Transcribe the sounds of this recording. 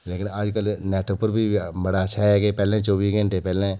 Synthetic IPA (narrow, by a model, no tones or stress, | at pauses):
leːkɪnaːd͡ʒkəlnɛːʈopəɾbʱibɐɽatːʃʰaɦɛːkepɛːlẽt͡ʃɔːbiːsɡʱə̃ɳʈepɛːlẽ